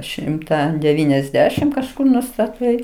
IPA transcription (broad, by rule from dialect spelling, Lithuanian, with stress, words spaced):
ˈʃʲɪmtɐ dʲɛˈʋʲiːnʲɛzʲˌdʲæːʃʲɪm kɐʃˈkʊr nʊstɐˈtɐɪ